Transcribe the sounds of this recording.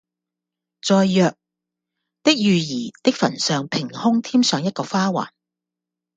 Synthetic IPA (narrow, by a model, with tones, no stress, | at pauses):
t͡sɔː˧jjœː˨˧k̚ | t̪ɪ˥k̚jyː˨jiː˨˩t̪ɪ˥k̚fɐ̰˨˩nsœː˨ŋpʰɪ˨˩ŋhʊ˥ŋt̪ʰiː˥msœː˨˧ŋjɐ˥t̚kɔː˧faː˥wa̰ː˨˩n